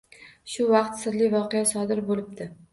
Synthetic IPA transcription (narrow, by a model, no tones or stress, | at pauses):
ʃʊvɑq̚t̪sɪɾlɪjvɒqejasɒd̪ɪɾbolɪb̚d̪ɪ